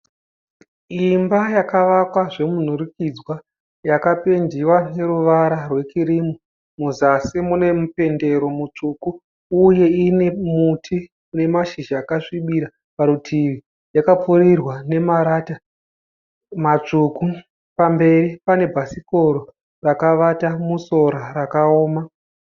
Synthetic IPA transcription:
imbajakaʋakwaʐe̞mun̤uɾikid͡zwa | jakape̞ndiwane̞ɾuʋaɾarwe̞kiɾimu | muzasimune̞mupe̞nde̞ɾo̞mut͡ʂukuː | je̞ine̞mutʰi | une̞maʃiʒaːkaʂiɓiɾa | paɾutʰiʋi | jakapurirwane̞maɾaːta | mat͡ʂuku | pambe̞ripane̞bʱasiko̞ɾo | rakaʋatamuso̞ɾarakaoːma

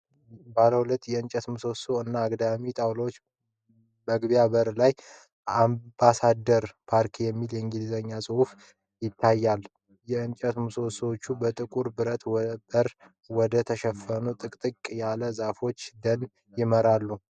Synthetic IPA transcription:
baləwulət̪ːjɛɨnt͡ʃʼət̪mɨsosoɨnːaːɡd̪amit̪ʼawlot͡ʃː | bəɡβijaβəɾlaj | ambasad̪əɾpʰaɾkʰijɛmːiljɛɨŋɡilzəɲːasʼɨhuf | jɪt̪ʰːajːal | jɛɨnt͡ʃʼət̪mɨsoswot͡ʃːubət̪ʼɨkʼuɾbɨɾət̪bəɾ | wɔd̪ət̪ʰəʃɛfənut̪ʼɨkʼt̪ʼɨkʼjaləzafo̞t͡ʃːd̪ən | jɪməɾalːu

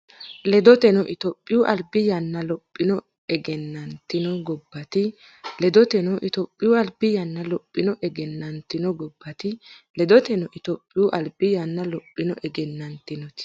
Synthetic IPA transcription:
lɛd̪ɔt̪ɛnɔʔɪt̪ɔpʼːɪjuʔɐlbɪjɐnːɐlɔpʼːɪnɔ | ɛɡɛnːɐnt̪ːɪnɔɡɔbːɐt̪ɪ | lɛd̪ɔt̪ɛnɔʔɪt̪ɔpʼːɪjuɐlbɪjɐnːɐlɔpʼːɪnɔʔɛɡɛnːɐnt̪ɪnɔɡɔbːɐt̪ɪlɛd̪ɔt̪ɛnɔʔɪt̪ɔpʼːɪjuːʔɐlbɪjɐnːɐlɔpʼːɪnɔʔɛɡɛnːɐnt̪ɪnɔt̪ɪ̥

